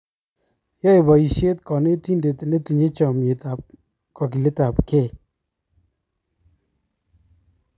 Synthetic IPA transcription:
jɔ˦e˨bɔ˨i˨ʃe˦tkɔ˨ne˦ti˦nde˨tne˦tu˨ɲe˦t͡ʃɔ˨me˨ta˨p̚ | kɔ˨k̬i˨le˦ta˨pke˦˨

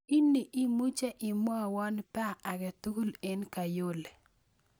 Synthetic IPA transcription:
i˦nːi˨ʔi˦mu˦t͡ʃe˦ʔɪ˨m˦ɔ˦˨wɔ˦npa˦ʔːɡɛ˨tu˦ɡu˦le˦nka˨jo˦le˨

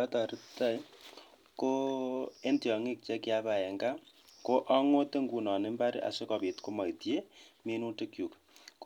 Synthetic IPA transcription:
a˦ta˨ɾi˦ta˦j | ko˦e˦nti˨ɔ˨ŋi˦k̚t͡ʃɛ˦kja˦pa˨ɛ˨ŋɡa˦ | ko˦ʔa˦ŋo˦te˦ŋɡu˨nɔ˨ne˦mba˦ɾḭ˦ʔa̰˨se˦kɔ˨pi˨tko˦ma˨itje˦mi˦nu˦te˦kju˨k | k

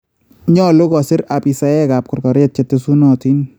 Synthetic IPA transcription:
ɲɔ˦lo˦kɔ˨sɪ˦ɾa˨pi˨sa˨ɛ˦ka˨p̚kʊ˨rkɔ˨ɾje˦t̚t͡ʃe˨tːe˧su˦nɔ˨ti˦n

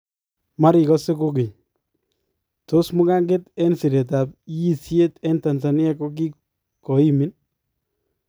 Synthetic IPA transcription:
ma˦ɾɪ˨kɔ˦se˦ko˦ki˨ɲ | to˦smʊ˦ka˦ŋɡe˦tɛ˦nsi˨ɾe˨t̬a˨pi˦sje˦tɛ˦nta˨nsa˨nɪ˦ɛ˦ko˦k̬i˦ | kɔ˨i˦mi˦n

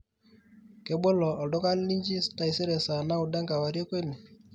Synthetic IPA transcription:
ke˦ɓo˦lɔ˨ɔ˨lɔ˦ka˦li˦ɲd͡ʒi˦sta˦i˨se˦ɾe˨sa˨na˦u˨da˦ŋɡa˨wa˨ɾe˦kwe˦ne˨

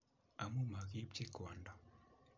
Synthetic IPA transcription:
a˨mu˦ma˨ɣi˦pt͡ʃi˦ka˨nda˨

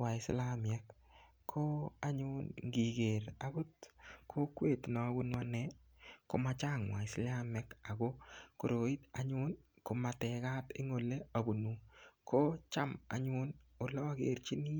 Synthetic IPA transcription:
wa˨ɪ˨sla˦mjɛ˦k | kʰːo˦a˦ɲʊ˦nɡi˨ɡe˨ɾa˨ɡʊ˦tkʰo˦kwe˦˨tnɔ˨˦bu˦nwa˦nɛ˦ | ko˦ma˦t͡ʃa˦˨ŋwa˨ɪ˨sla˦mɛ˦ka˨ɡo˦ko˨ɾo˨i˦ta̰˨ɲʊ˦nko˨ma˨tɛ˨ka˦tɪ̰˦ŋo˨le˦a˨bu˨nu˨ko˦t͡ʃa˦ma̰˨ɲʊ˦no˨lɔː˦ɡe˨ɾt͡ʃi˦ni˦

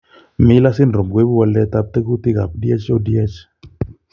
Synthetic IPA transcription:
mɪ˦la˦sɪ˦nɾɔ˨mɡwe˦bu˦wa˧˨lɛ˦t̪a˦p̚t̪ɛ˦ku˦t̪ɪ˦ka˨p̚dja˦t͡ʃɔ˦dja˦t͡ʃ

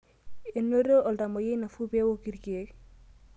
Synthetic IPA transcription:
e˨no˦ɾo˦ʔɔ˨lda˨mɔ˨je˦na˨fu˦bi˦e˦wo˦ki˨ɾki˨e˦k

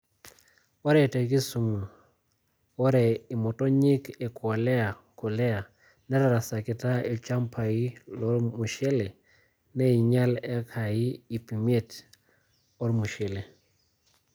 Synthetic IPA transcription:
wɔ˦ɾɛ˨te˨k̬i˦su˨mu˨ | wɔ˦ɾɛ˨i˨mɔ˨tɔ˦ɲɪ˦kɛ˨kwa˨lɛ˦a˨ko˨lɛ˦a˨ | nɛ˦ɾa˨ɾa˨sa˨kɪ˨ta˦i˨t͡ʃa˦mpʰa˨i˦lɔ˦mu˨ʃe˦le˨ | nɛ˦i˨ɲa˦lɛ˦kʰa˨i˦i˨pi˨me˦t | ɔ˦ɾmu˨ʃe˨le˨

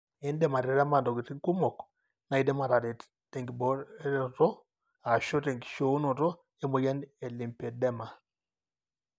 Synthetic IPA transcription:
ɛ˦ndɛ˦˨ma˨ɾɛ˨ɾa˦ma˨ndɔ˨ki˨ti˦ŋku˦mɔ˨k | na˨i˦dɛ˦ma˨ɾa˨ɾe˨ | tɛ˨ŋɡi˨bɔ˨˦ɾɛ˦tɔ˦ | a˨ʃo˦te˨ŋɡʃo˨˦no˨tɔ˦ | e˦mo˨ja˦ne˨li˨mpe˨dɛ˦ma˨

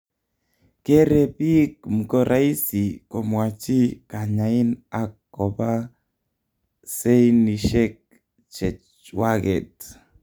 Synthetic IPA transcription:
ke˦ɾe˨pi˦km̩˨ko˨ɾʔa˦i˦si˨ko˨mwa˨t͡ʃi˦ka˨ɲa˨i˦na˨kːɔ˨ba˦ | se˦ini˨ʃɛ˦k̚ | t͡ʃɛ˨t͡ʃ | wa˦ɡɛ˨t

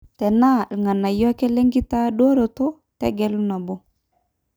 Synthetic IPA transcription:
tɛ˨na˦˨ŋa˨na˨jɔ˦kɛ˦lɛ˦ŋɡi˦ta˦do˦ɾo˨to˦ | tɛ̰˦ɡɛ˦lu˦na˨bo˦

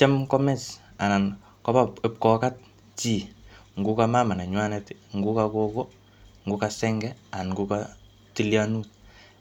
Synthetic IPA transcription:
t͡ʃɛ˦mkɔ˦mɛ˨s | a˨na˨n | kɔ˦ba˦pe˨p̚kɔ˨ka˦t̚ | t͡ʃi˨ŋɡu˦kama˦ma˨na˨ɲwa˦nɛtŋɡu˦kako˦kɔ˦ | ŋɡukasɛŋɡɛa˨nŋɡuka | ti˦ljanu˦t̚

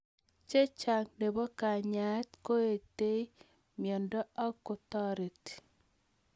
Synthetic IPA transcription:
t͡ʃe˦t͡ʃa˨ŋne˨bɔ˦ka˨ɲa˨˦t̪ko˦e˨te˦i˦ | mjɔ˨ndɔ˦a˦kʊ˨tɔ˦ɾe˨t

